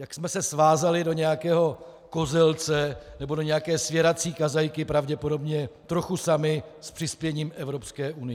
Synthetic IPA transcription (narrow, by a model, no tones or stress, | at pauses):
jaksmɛsɛsvaːzalɪdoɲɛjakɛːɦo̞ | ko̞zɛlt͡sɛnɛbo̞do̞ɲɛjakɛːsvjɛɾat͡siːkazajkɪpɾavɟɛpo̞do̞bɲɛt̪ɾo̞xusamɪspr̥ɪspjɛɲiːmʔɛvɾo̞pskɛːʔunɪjɛ